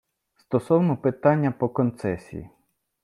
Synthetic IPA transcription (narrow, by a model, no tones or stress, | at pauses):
st̪ɔsɔwnɔpɪt̪ɑnʲːɐpɔkɔnt̪sɛsʲḭjḭ